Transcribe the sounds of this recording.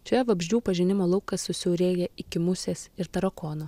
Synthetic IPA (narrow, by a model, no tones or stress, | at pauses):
t͡ʃʲojɛʋɐbʲʒʲd͡ʒʲuːpɐʒʲɪnʲɪmoːlˠɐʊkɐsʊsʲɛʊɾʲeːjɛɪkʲɪmʊsʲeːsɪɾt̪ɐɾɐkoːnoː